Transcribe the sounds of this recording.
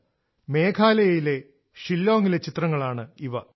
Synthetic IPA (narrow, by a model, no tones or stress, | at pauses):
me̞ːkʰaːlɐjɐjile̞ | ʂilːoːŋilet͡ɕit̪rɐŋːɐɭaːɳɨiʋɐ